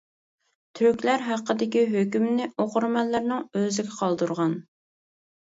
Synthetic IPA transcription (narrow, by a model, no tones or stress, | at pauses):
t̪ʰyɾkʲlæɾɦæqːəd̪ɪkʲiɦøkʲymnɪoqʊɾmɛllæɾnɪŋøzɪɡʲɛqʰɑlˠd̪uɾʁɑn